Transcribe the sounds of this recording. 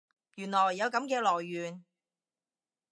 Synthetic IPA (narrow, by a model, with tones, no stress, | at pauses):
jyː˨˩nlɔː˨˩jːɐ˨˧wkɐ˨˥mkɛː˧lɔː˨˩jːyː˨n